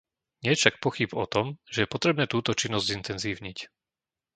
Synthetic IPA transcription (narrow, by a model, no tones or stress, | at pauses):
ɲɪɛfʃak̚pɔxibɔt̪ɔmʒ̥ɛjɛpɔt̪ɾɛbnɛːt̪uːt̪ɔt͡ʃinːɔzɟzint̪ɛnziːʊɲic